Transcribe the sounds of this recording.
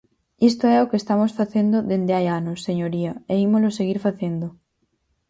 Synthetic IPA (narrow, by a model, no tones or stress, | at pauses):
ist̪oɛokeːst̪amosfaθend̪oðend̪eajanosːeɲoɾiɐeimoloseɣ̞iɾfaθend̪o